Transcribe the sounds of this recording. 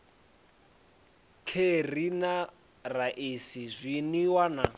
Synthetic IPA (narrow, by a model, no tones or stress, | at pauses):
kʰerina | raʔesizʷiniwana